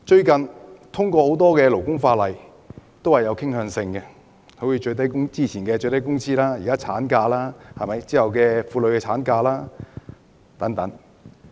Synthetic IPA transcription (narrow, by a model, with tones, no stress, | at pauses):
t͡ʃɵ˧ɥkɐ˨nt̪ʰʊ˥ŋkʷɔː˧ho˨˥wt̪ɔː˥kɛː˧lo˨˩wkʊ˥ŋfaː˧lɐ˨j | t̪o˥whɐ˨˩jɐ˨˧wkʰɪ˥ŋhœː˧ŋsɪ˧ŋkɛ˧ | ho˨˥wji˨˧t͡ʃɵ˧ɥt̪ɐ˥jkʊ˥ŋt͡siː˥t͡sʰiː˨˩nkɛː˧t͡ʃɵ˧t̪ɐ˥jkʊ˥ŋt͡sʰiː˥laː˥ji˨kaː˥t͡sʰa̰ː˨˥nkaː˧laː˥hɐ˨jmɐ˨˦jt͡siː˥hɐ˨wkɛː˧fuː˧lɵ˨˧ɥkɛː˧t͡sʰaː˨˥nkaː˧laː˥ | t̪ɐ˨˥ŋt̪ɐ˨˥ŋ